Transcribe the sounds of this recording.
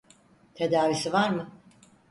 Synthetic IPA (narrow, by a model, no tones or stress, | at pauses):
t̪ʰe̞d̪aːvisivaɾmɯ